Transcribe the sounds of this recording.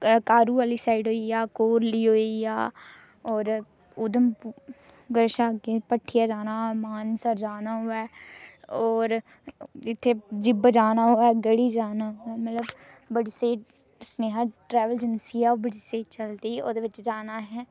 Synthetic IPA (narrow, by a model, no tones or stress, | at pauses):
kaːɾuːʋaːliːsaːiɖɦoːiaːkoːɾliːɦoːijaː | ɔːɾ | ʊd̪əm | ɡəɾʃaːɡeːpəʈʰːɪjaːd͡ʒaːnaːmaːnsəɾd͡ʒaːnaːɦʊːɛː | ɔːɾ | ɪt̪ʰːeːd͡ʒɪbd͡ʒaːnaːɦoːɛːɡəɽiːd͡ʒaːnaːɦʊːɛːmət̪ləb | bəɽiːseːʈ | sneːɦəʈɾɛːʋəld͡ʒənsiːaːobəɽiːseːt͡ʃəld̪iːo̰ːd̪eːʋɪt͡ʃd͡ʒaːnaːɦɛː